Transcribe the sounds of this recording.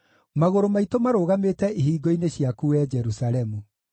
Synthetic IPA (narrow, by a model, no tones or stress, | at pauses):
maɣoɾomaitomaɾoːɣameːtɛeɦiːɡoineɕjakuɛd͡ʒɛɾusaɾɛmu